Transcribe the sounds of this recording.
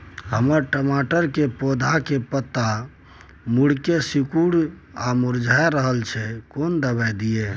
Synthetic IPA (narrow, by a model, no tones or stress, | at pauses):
hə̰məɾʈəmaʈəɾkepod̪ʱakepət̪ːa | muɽkesikuɽ | amuɾd͡ʒʱaeɾəɦəlt͡ʃʰɛkond̪əbajd̪ije